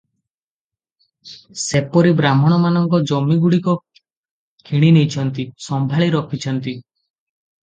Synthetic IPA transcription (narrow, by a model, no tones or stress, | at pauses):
sepɔɾibɾam̤ɔɽ̃ɔmanɔŋkɔd͡ʒɔmiɡuɽikɔ | kʰiɽ̃inejt͡ʃʰɔnt̪isɔmbʱaɭiɾɔkʰit͡ʃʰɔnt̪i